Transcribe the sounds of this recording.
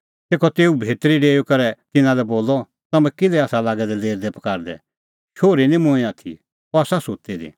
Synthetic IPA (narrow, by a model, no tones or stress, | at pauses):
t̪eːkʰɔt̪eːubʱeːt̪ɾiɖeːjukɐɾɛt̪ɪnãlɛboːlɔ | t̪ɐmɛ̃kɪlɛaːsalaːɡɛd̪ɛleːɾd̪ɛpɐ̥kaːɾd̪ɛ̰ | ʃoːɾinĩmʊ̃ɛ̃aːt̪ʰḭ | ɔasasot̪id̪ḭ